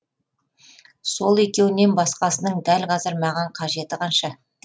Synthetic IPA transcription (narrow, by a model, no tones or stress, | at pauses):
so̞lˠe̞kʲe̞wɪne̞nbɑsqɑsənəɴd̪ælqʰɑzəɾmɑʁɑɴqʰɑʒe̞t̪ɪqʰɑnʃɑ